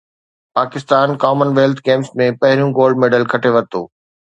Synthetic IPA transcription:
paːkɪst̪aːnkɔːmənʋeːlt̪ʰɡeːmsmẽpɐɦɪɾijũɡoːlɖ̚meːɖəlkʰɐʈʰeʋɐt̪o̰ː

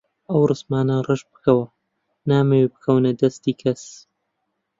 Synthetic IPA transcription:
ɐwrɨsmaːnɐrɨʃbɨ̥kʰɐwɐ | naːmewebɨkʰɐwnɐd̪ɐst̪iːkʰɐs

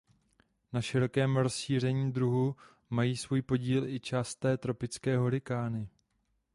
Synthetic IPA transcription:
naʃɪɾo̞kɛːmɾo̞sʃiːr̝ɛɲiːd̪ɾuɦu | majiːsvuːjpo̞ɟiːlʔɪt͡ʃaːst̪ɛːt̪ɾo̞pɪt͡skɛːɦoɾɪkaːnɪ

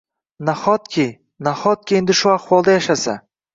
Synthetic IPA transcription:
naχɒt̪̚kʲʰej | naχɒt̪̚kʲeend̪ɪʃʊaχwɒlˠd̪ajaʃasa̰

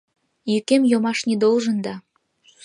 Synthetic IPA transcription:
jykemjomɑʃnid̪olʒə̆nd̪ɑ

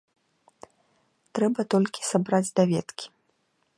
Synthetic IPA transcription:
t̪ɾɛbɐt̪ɔlʲkʲi̥sabɾad͡zʲd̪avʲɛt̪kʲi̥

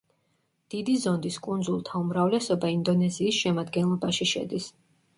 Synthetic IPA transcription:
d̪̥id̪izɔnd̪iskʼund̪zulˠt̪ʰaumɾavlɛsɔbaind̪ɔnɛziːsʃɛmad̪ɡɛnlˠɔbaʃiʃɛ̰d̪is

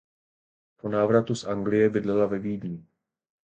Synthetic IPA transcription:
po̞naːvɾat̪usʔaŋɡlɪjɛbɪdlɛlavɛviːdɲɪ

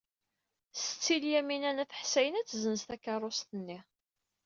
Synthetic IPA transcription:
sət͡sːiljæminænæθə̥ħsæjənæt͡sːzənəst̪ækːɑrˤːost̪ənːi

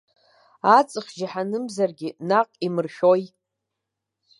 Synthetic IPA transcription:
at͡sʼɨχʲʒaħanɨmzarɡʲɪnaqʼimɨrʃᶣoj

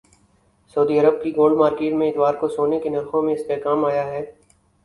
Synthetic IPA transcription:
sɐʊd̪iɐɾəb̚kiɡoːlɖmaːɾkeːʈmẽɪt̪ʋaːɾkosoːnekenɐɾxõmẽɪspekaːmaːjaɦɛː

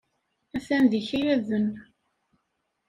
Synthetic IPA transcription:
æθænðiçijæðən

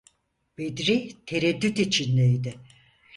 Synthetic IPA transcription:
bed̪ɾit̪ʰeɾed̪ːyt̪it͡ʃʰinlejd̪ɪ

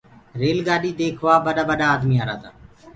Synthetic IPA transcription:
ɾeːlɡaːɗiːd̪eːkʰʋaːbəɗaːbəɗaːd̪miːaːɾa̰ːd̪a̰ː

